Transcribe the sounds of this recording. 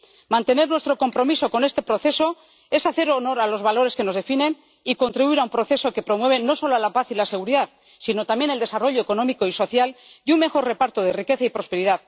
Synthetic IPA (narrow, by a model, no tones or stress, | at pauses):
mãnt̪e̞ne̞ɾnwe̞st̪ɾo̞ko̞mpɾo̞miso̞ko̞nest̪e̞pɾo̞θe̞so̞ | e̞saθe̞ɾo̞no̞ɾalo̞zβalo̞ɾe̞ske̞no̞zðe̞fine̞n | iko̞nt̪ɾiβuiɾaumpɾo̞θe̞so̞ke̞pɾo̞mwe̞β̞e̞no̞so̞loalapaθilase̞ɣ̞uɾiðað | sino̞t̪amje̞neld̪e̞saro̞ʎo̞eko̞nõ̞miko̞iso̞θjaljumme̞xo̞re̞paɾt̪oðe̞rike̞θaipɾo̞spe̞ɾiðað